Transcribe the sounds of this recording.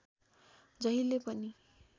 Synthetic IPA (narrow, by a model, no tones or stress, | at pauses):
d͡zʌɦilepʌni